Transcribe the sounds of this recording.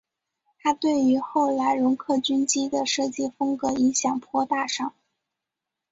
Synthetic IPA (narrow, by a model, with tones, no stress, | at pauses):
t̪ʰa˥t̪we˥˩ɪy˧˥xo˥˩ʊla˧˥ɪɻʊ˧˥ŋkʰɤ˥˩t͡ɕy˥nt͡ɕi˥d̪ə˨ʂɤ˥˧t͡ɕi˥˩fɤ˥ŋkɤ˧˥i˧˥ŋɕjɑ˨˩ŋpʰwɔ˥t̪a˥˧ʂɑ˥˩ŋ